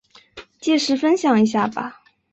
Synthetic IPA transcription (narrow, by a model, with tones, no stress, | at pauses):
t͡ɕɛ˥˩ʂɻ̩˧˥fə˥nɕjɑ˨˩ŋi˧˥ɕ̬ja˥˩bɐ̰˩